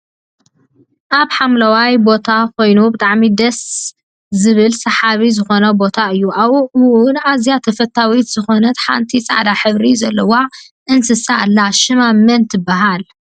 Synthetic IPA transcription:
ʔaβħamlɐwajbo̞t̪ʰakʰo̞jnubɨt̪ʼaʕmid̪ɐs | zɨβɨlsɐħaβizɨxo̞nɐbo̞t̪ʰaɨjːuʔaβuɨwʊnʔazjat̪ʰɐfɐt̪ʰːawit̪z̥ɨxo̞nɐt̪ħa̰nt̪ʰit͡sʼa̰ʕd̪aħɨβɾizɐlːɐwa | ʔɨnsɨsalːaʃɨmamːɐnt̪ʰɨbːaɦal

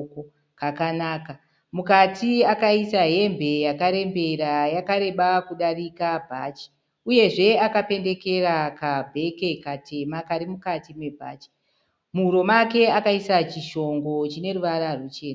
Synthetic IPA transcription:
ko | kakanaːka | mukatʰiakaisaɦe̞mbʱe̞jakaɾe̞mbe̞ɾajakaɾe̞ɓakuɗarikabʱat͡ʃi̥ | uje̞ʐe̞akape̞nde̞ke̞rakabʱe̞ke̞katʰe̞makaɾimukatimwe̞bʱa̰ːt͡ʃi̥ | muɾo̞make̞akaisat͡ʃiʃo̞ŋɡo̞t͡ʃine̞ruʋaɾarut͡ʃe̞ːna

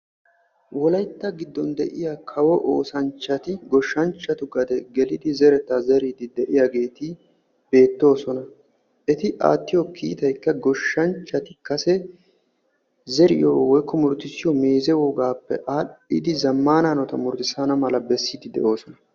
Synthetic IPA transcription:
wɔlɐjt̪ːɐɡɪd̪ːɔnd̪ɛʔɪjakʰɐwɔʔoːsɐnt͡ʃːɐt̪ɪɡɔʃːɐnt͡ʃːɐt̪ʊɡɐd̪ɛɡɛlɪd̪ɪzɛɾɛt̪ːɐzɛɾɪd̪ɪd̪ɛʔɪjaɡe̞ːt̪ɪ | b̥e̞ːt̪ːo̞ːsɔnɐ | ʔɛt̪ɪʔa̰ːt̪ːɪjɔkiːt̪ɐjkːɐɡɔʃːɐnt͡ʃːɐt̪ɪkɐsɛ | zɛɾɪ̰joːwɔjkʰːɔmʊɾt̪ɪsɪjɔme̞ːzɛwɔɡaːpːɛ̰ʔaːɗɪ̰d̪ɪzɐmːaːnaːnɔt̪ɐmʊɾt̪ɪsanɐmɐlɐbɛsːid̪ɪd̪ɛ̰ʔo̞ːsɔnɐ

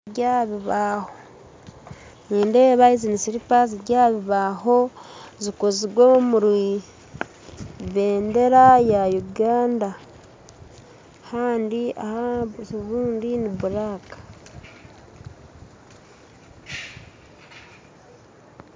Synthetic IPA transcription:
ɟaːβiβaːho | niːnde̞ːβaizinisiɾipaziɾɟaːβiβaːɦo̞zikoziɾwomuɾi | βeːnde̞ɾajajuɡaːnda | haːndia̰haβuːndiniβuɾaːkḁ

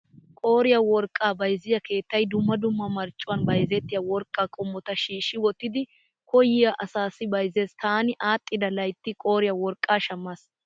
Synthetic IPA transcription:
kʼo̞ːɾɪjɐwɔɾkʼːaːbɐjzɪjɐke̞ːt̪ːɐjd̪ʊmːɐd̪ʊmːɐmɐɾt͡ʃʼːʊwɐnbɐjzɛt̪ːɪjɐwɔɾkʼːaːkʼɔmːɔt̪ɐʃiːʃːɪwɔt̪ːɪd̪ɪ | kɔjɪjɐʔɐsaːsːɪbɐjzeːst̪aːnɪʔaːt̪ʼːɪd̪ɐlɐjt̪ːɪkʼo̞ːɾɪjɐwɔɾkʼːaːʃɐmːɐs

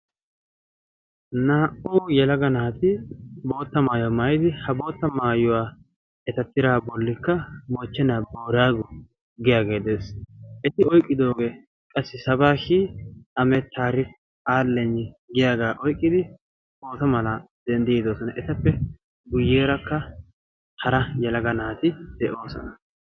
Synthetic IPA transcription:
naːʔuːjɛlɐɡɐnaːt̪ɪbo̞ːt̪ːɐmaːjɔmaːjɪd̪ɪhɐbo̞ːt̪ːɐmaːjʊwaː | ɛt̪ɐt̪ːɪɾaːbɔlːɪkːɐmoːt͡ʃːɛnaboːɾaːɡʊ | ɡɪjaːɡe̞ːd̪eːsʔɛt̪ɪɔjkʼːɪd̪o̞ːɡeː | kʼɐsːɪsɐbaːʃiːɐmɛt̪ʰːaːɾɪf | aːlːɛnːɪɡɪjaːɡaːʔɔjkʼːɪd̪ɪ | ʔo̞ːt̪ɐmɐlɐ | d̪ɛnd̪ɪjɪd̪oːsɔnɐʔɛt̪ɐpːɛ | ɡʊjːeːɾɐkːɐ | hɐɾɐjɛlɐɡɐnaːt̪ɪd̪̥ɛʔo̞ːsɔ̰nɐ

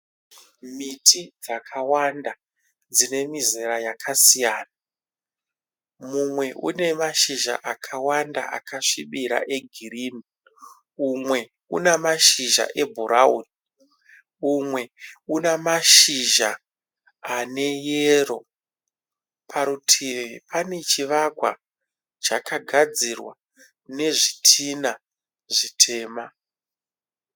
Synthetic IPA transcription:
mitʰid͡zakʰawanda | d͡zine̞mizeɾajakʰasijaːna | mumwe̞ʔṵne̞maʃiʒa̰ʔakʰawandaʔa̰kʰaʂiɓiɾa̰ʔe̞ɡʱiɾiːmi | umwe̞ | ṵnemaʃiʒa̰ʔe̞bʱuɾauni | umwe̞unamaʃiʒaː | ne̞jero̞̰ | pʰaɾutʰipʰane̞t͡ʃiʋakwa̰ | t͡ʃakʰaɡʱad͡zirwa | ne̞ʐitʰina | ʐitʰe̞ːma

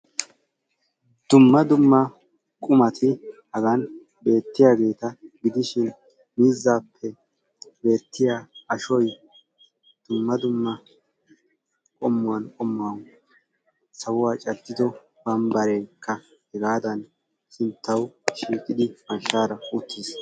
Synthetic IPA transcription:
d̪̥ʊmːɐd̪ʊmːɐ | kʼʊmɐt̪ʰɪhɐɡɐn | be̞ːt̪ːɪjaːɡe̞ːt̪ɐɡɪd̪ɪʃɪn | miːzːaːpʰːɛ | be̞ːt̪ːɪjaːɐʃɔj | d̪̥ʊmːɐd̪ʊmːɐ | kʼɔmːʊwɐnkʼɔmːʊwɐn | sɐwʊwaːt͡ʃʼɐd̪ːɪd̪ɔ | bɐmbɐɾɛjkːɐ | hɛɡaːd̪ɐn | sɪnt̪ʰːɐwʃiːkʼɪd̪ɪmɐnʃaːɾɐʊt̪ːiːs

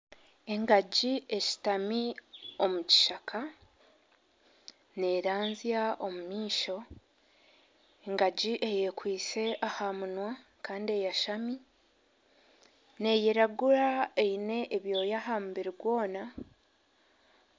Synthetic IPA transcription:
e̞ŋɡaɟie̞ci̥tamio̞muci̥ʃakʰa | ne̞ɾaːnzjaʔo̞mumiːʃo̞ | e̞ŋɡaɟiʔe̞jekwiːse̞ʔahamunwa | kaːndie̞jaʃami | ne̞jeɾaɡuɾaeine̞ʔːβjo̞ːjaɦaːmubiɾiɡwo̞ːna

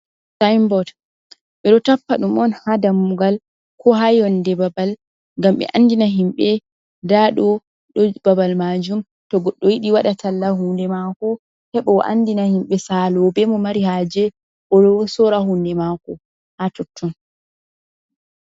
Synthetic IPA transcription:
sajmbɔt | ɓɛɗɔtapːaɗumʔɔnhadamːuɡal | kʰɔɦajɔndɛbabal | ŋɡamɓɛ̰ʔandinaɦimɓɛ | daɗɔ | ɗɔbabalmad͡ʒum | tɔɡɔɗːɔjiɗiwaɗatʰalːahundɛmakɔ | hɛɓɔ̰ʔa̰ndinahimɓɛsalɔbɛmɔmaɾihaːd͡ʒɛ | ʔɔɗɔsɔɾahundɛmakɔ | hatɔtʰːɔn

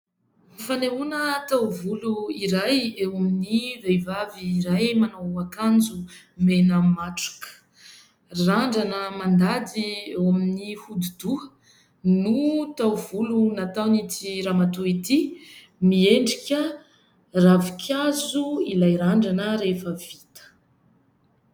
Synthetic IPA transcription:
nifaneunət̪awvuluiɾajewaminivejvaviːɾajmanawakand͡zu | menəmaʈ͡ʂu̥kə̥ | raɳɖ͡ʐanəmand̪ad̪iewaminihud̪id̪̥uə̥ | nut̪awvulunat̪awnit̪iɾamat̪uit̪i | mieɳɖ͡ʐikʲə | ravikʲʰazuilajɾaɳɖ͡ʐanəɾefəvit̪ə̥

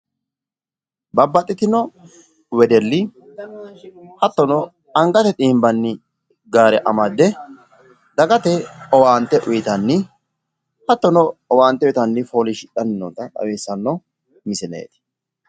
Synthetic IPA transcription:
bɐbːɐt̪ʼːɪt̪ɪnɔ | wɛd̪ɛlːɪ | hɐt̪ːɔnɔ | ɐŋɡɐt̪ɛt̪ʼiːmbɐnːɪ | ɡaːɾɛʔɐmɐd̪ːɛ | d̪ɐɡɐt̪ɛɔwaːnt̪ːɛʔʊjɪt̪ɐnːɪ | hɐt̪ːɔnɔɔwaːnt̪ːɛwɛt̪ɐnːɪfoːlɪʃɪᶑɐnɪnːɔnt̪ɐᶑɐ̰weːsːɐnːɔ | mɪsɛnḛːt̪ɪ̥

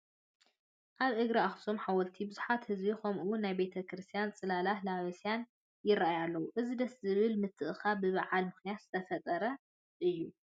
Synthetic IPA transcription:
ʔaβʔɨɡɾiaxsomħawɔlt̪ʰibɨzuħat̪hɨzbixomʔɨwːʊnːajbe̞t̪ʰɐkɾɨst̪ʰijant͡sʼɨlalahlaβɐsijan | jɪɾaʔajalːɐwuʔɨzid̪ɐszɨβɨlmɨt̪ʰːɨʔɨxabɨβaʕalmɨxnijat̪z̥ɨt̪ʰɐfɐt̪ʼɐɾɐ | ʔɨjːu

